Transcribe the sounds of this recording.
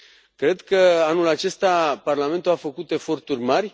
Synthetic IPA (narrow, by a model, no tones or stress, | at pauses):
kɾe̞d̪kəanulat͡ʃe̞st̪aparlame̞nt̪uafəkut̪e̞fo̞rt̪urʲmarʲ